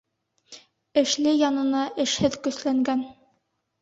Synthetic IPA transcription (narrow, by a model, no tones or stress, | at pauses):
ɘ̆ʃlɘjɒnɤ̆nɑʔɘ̆ʃhɘðkɵ̆slæŋɡæn